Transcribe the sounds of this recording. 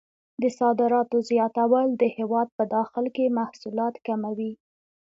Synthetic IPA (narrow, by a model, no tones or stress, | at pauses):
d̪əsɑd̪ɪɾɑt̪ozjɑt̪awald̪əhewɑd̪̚pəd̪ɑxɪlkemahsulɑt̪kamawi